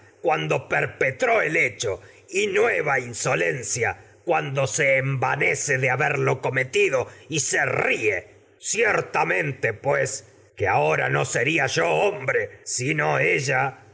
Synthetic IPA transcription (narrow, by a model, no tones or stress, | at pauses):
kwand̪o̞peɾpet̪ɾoelet͡ʃo | inweβ̞ainsolensja̰ | kwand̪oseːmbaneseðeaβeɾlo̞ko̞met̪iðoiserie | sjeɾt̪amẽnt̪epwes | keaoɾa̰noseɾiaʒoombɾesinoeʒa